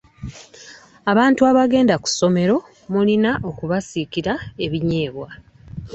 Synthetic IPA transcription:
aβaːntuaβaɡe̞ːndaku̥so̞me̞ɾo̞ | mulinaʔo̞kuβasikiɾae̞βiɲe̞ːβwa

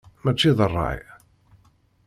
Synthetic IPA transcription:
mæt͡ʃːiðərˤːɑ̰j

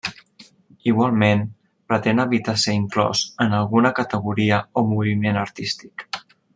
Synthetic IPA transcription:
iɣwalˠmen | pɾət̪enəβit̪asəiŋklɔ̰zənəlˠɣunəkət̪əɣ̞uɾiəomuβimenəɾt̪ist̪i̥k

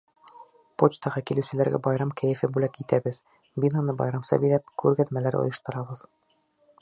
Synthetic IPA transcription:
pot͡ɕt̪ɑʁɤkilɘ̆wsɘ̆læɾɡæ̰bɒjɾɑmkʰæjɘ̆fɘbʉlækit̪æbɘð | binɑnɤbɒ̰jɾɑmsɑ̰bilæp̚kʰʉɾɡæðmælæɾo̰jɤ̆ʃt̪ɤ̆ɾɑbɤð̥

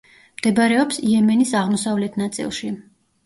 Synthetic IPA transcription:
md̪̥ɛbɾɛɔpsiɛmɛnisaʁmɔsavlɛt̪ʰnat̪sʼḭlˠʃi

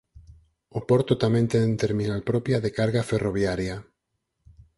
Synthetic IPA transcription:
opɔɾt̪ʊt̪amẽnt̪ent̪eɾmĩnalpɾɔpjaðekaɾɣaferoβjaɾja

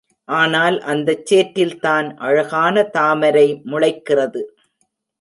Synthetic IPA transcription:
ʔaːnaːlʔɐnd̪ɐt͡ʃːeːʈːɪlt̪aːnʔɐɻɐɣaːnɐt̪aːmɐɾɐɪmʊɻɐɪkːɪrɐðɯ

